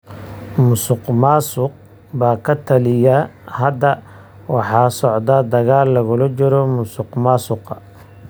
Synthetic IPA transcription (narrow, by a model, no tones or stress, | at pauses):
mʊsʊqmaːsʊq̚ | baːkʰɐt̪ʰɐlɪjahɐd̪ɐ | wɑħɑːsɔʕd̪ad̪ɐɣaːlːɐɣʊlɐt͡ʃɪɾɔmʊsʊqmɑːsʊqɐ